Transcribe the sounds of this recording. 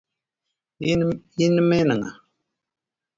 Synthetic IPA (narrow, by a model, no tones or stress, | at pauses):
jinəmɛnɨŋa̰